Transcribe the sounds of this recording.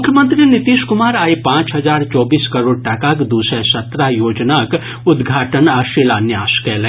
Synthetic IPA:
mʊkʰjəmə̃nt̪ɾinit̪iʃkʊmaːɾaːjpãːt͡ʃɦɐd͡ʒaːɾt͡ʃɔːbiːskɐɾoːɽ̚ʈakakd̪uːsəsɐt̪ɾajoːd͡ʒnak | ʊd̪ɡʱaːʈənaʃilanjaːskɛːlɛ̃

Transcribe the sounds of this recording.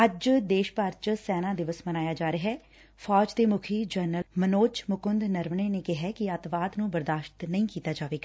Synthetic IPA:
əd͡ʒd̪eːʃpaːɾt͡ʃsɛːnãːd̪ɪʋəsmənaːjaːd͡ʒaːɾəɦɛː | fʰɔːd͡ʒt̪eːmʊkʰiːd͡ʒəːɾnəlmənoːt͡ʃmʊkʊnd̪nəɾmneːneːkɪɦɛːkɪət̪ʋaːd̪nũːbəɾd̪aːʃt̪nəĩːkiːt̪aːd͡ʒaːʋeːɡ

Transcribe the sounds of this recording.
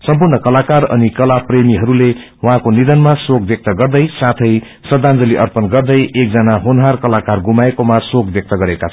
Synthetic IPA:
sʌmpurnʌkʌlakarʌ̰nikʌlapremiɦʌɾule | w̃ɦãkonid̪ʌnmasokbjek̚t̪ʌɡʌrd̪ʌjsat̪ʰʌj | sʌd̪and͡zʌliʔʌrpʌnɡʌrd̪ʌjʔek̚d͡zʌnaɦonɦarkʌlakarɡumaekomasokbjʌk̚t̪ʌɡʌɾeka

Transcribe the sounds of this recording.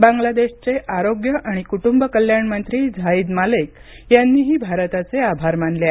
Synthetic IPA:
bãŋɡlad̪eɕt͡seʔaɾoɡjəʔaɽ̃ikuʈumbəkəljaɳmənt̪ɾiːd͡zʱaiːd̪malek | janːiːɦiːbʱaɾt̪at͡seabʱaɾmanlea

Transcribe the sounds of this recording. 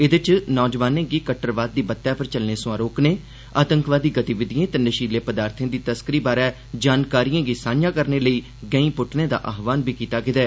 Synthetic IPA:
ɪd̪ɪt͡ʃnɔːd͡ʒʋaːnẽːɡiːkəʈːəɾʋaːd̪̚ːiːbət̪ːjɛːpʰəɾt͡ʃəlneːsʊ̃ãːɾoːkneː | aːt̪əŋkʋaːd̪iːɡət̪iʋɪd̪ijẽːt̪enəʃiːleːpəd̪aːɾt̪ʰẽːd̪iːt̪əskəɾiːbaːɾɛː | d͡ʒaːnkaːɾiːãːɡisaːnjãːkəɾneːləiː | ɡə̃ĩːpʊʈʰnẽːd̪a̰ːʔaːɦʋaːnbiːkiːt̪aːkɪd̪ɛː

